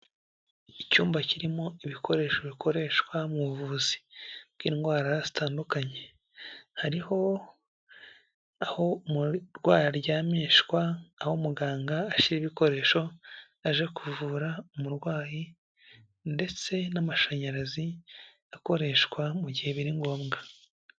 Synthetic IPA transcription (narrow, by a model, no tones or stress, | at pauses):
icuːmbaciɾimo̞iβikʰo̞ɾe̞ːʃo̞βikʰo̞ɾe̞ʃkwamuvuzi̥kkiŋɡwaːɾajazi̥taːndukaɲe̞ | haɾiho̞ | aho̞muɾɡwaːɾaɾɟaːmeːʃkwaːhomuɡaːŋɡaːʃiɾiβiko̞ɾe̞ːʃo̞ | aʒe̞kuvuːɾaumuɾɡwaːji | nde̞t͡se̞namaʃaɲaɾazi | ako̞ɾe̞ʃwamuɟihe̞βiɾiŋɡo̞ːmɡa